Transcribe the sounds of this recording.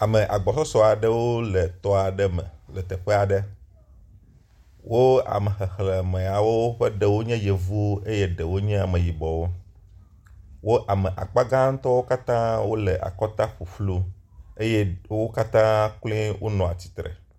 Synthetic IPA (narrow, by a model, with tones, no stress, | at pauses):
a˨mə̃˨ʔa̰˨ɡ͡bɔ˨sɔ˦sɔ˦a˨ɖə˦wo˦le˨t̪ɔ˦a˨ɖɛ˦mə̰̃˨lɛ˨t̪ɛ˨ɸe˦a˨ɖə˦ | wʔo˦a̰˨mə˨xe˨xle˨mẽ˨a˨wo˦wo˦ɸe˦ɖɛ˨wo˦ɲɛ̃˦je˨vu˦e˦je˦ɖe˨wo˦ɲɛ̃˦a˨mẽ˨ji˨bɔ˨wo˦ | wo˦ʔa˨mẽ˨ʔa̰˨k͡pa˦ɡã˦ŋ̩˦t̪ɔ˦wo˦ka˦t̪ã˦wo˦le˨ʔa̰˨kɔ˦t̪a˦ɸu˨ɸlu˦ | e˦je˦wo˦ka˦t̪ã˦klĩ˦wʔo˦nɔ̃˨a˨t͡ɕi̥˦t̪ɾḛ˨